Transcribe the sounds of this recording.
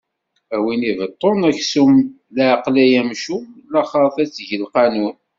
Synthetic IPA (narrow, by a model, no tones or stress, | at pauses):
æwinivət̪ˤːonæçsum | læʕqlæjæmʃulɑχɑθæt͡sːʝəlqɑnun